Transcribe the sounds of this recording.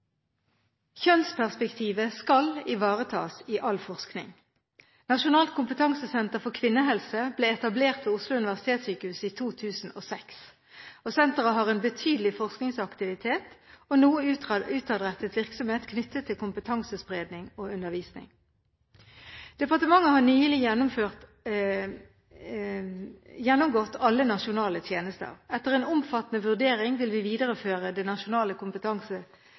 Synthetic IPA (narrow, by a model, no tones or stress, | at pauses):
çœnspʰæʁspɛkt̪ʰiːʋəskɑlɪʋɑːʁət̪ʰɑ̰ːsiʔɑlfɔʁsknɪ̰ŋ | nɑʃʊnɑːlt̪̚kʰʊmpət̪ʰɑŋsəsɛnt̪əʁfɔʁkʰʋɪnːəɦɛlsəbleːɛt̪ɑbleːʁt̪ʰpʰɪʊslʊʉnɪʋæʁsɪt̪ʰeːt̪syːkəhʉsiːt̪ʰuːt̪ʰʉːsn̩oːsɛks | oːsɛnt̪əʁəɦɑʁeːnbət̪ʰyːd̪əlɪfɔʁsknɪŋsɑkt̪ɪʋɪt̪ʰeːt̪ɔnuːəʉːt̪ɑd̪ʁɛt̪ːət̪ʋɪʁksɔmheːt̪kʰnʏt̪ʰːət̪ʰːɪlkʊmpət̪ʰɑŋsəspʁeːd̪nɪŋɔʉnəʁʋiːsnɪ̰ŋ | d̪̥ɛpɑʁt̪əmɑŋːəhɑʁnyːəlɪjɛnɔmføʁ | jɛnːʊmɡɔt̪ːɑlːənɑʃʊnɑːlət̪ʰjeːnəst̪ə̰ʁɛt̪ːəʁɛːnʊmfɑt̪ːənəʋʉʁd̪eːʁɪŋʋɪlʋɪʋiːd̪əʁəføːʁəd̪ɛnɑʃʊnɑːləkʰʊmpət̪ʰɑŋsə